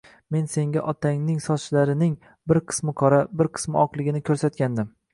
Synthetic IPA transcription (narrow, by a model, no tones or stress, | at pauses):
me̞nse̞ŋɡʲaʔɒt̪ʰaŋnɪŋsɒt͡ʃlaɾɪnɪŋ | bɪɾqʰɨ̥smɪqʰɒɾabɪɾqʰɨ̥smɪɒqlˠɪɡʲɪnɪkʲʰɵɾsat̪̚kʲand̪ɪm